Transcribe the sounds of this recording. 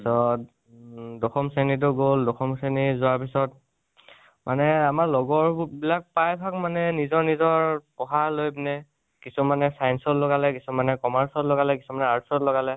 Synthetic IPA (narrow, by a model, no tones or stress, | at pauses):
isɔt | dɔxɔmsenit̬ʊɡoldɔxɔmsenizʊaɹpisɔt̚ | mʔanɛamaɹlɔɡɔɹbilak̚pajbʱakmanɛnizɔɹnizɔɹpɔɦalojbnɛ | kisɔmanɛsajnsɔtlɔɡalɛkisɔmanɛkɔmaɹsɔtlɔɡalɛkisumanɛaɹsɔtlɔɡalɛ